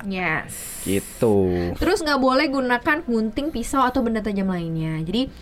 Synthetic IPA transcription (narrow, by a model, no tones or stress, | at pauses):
jɛs | ɡḭt̪ut̪əɾʊsŋɡaʔbolɛhɡunakanɡunt̪ɪŋpisawat̪awbəndat̪̬ad͡ʒamlainɲad͡ʒadi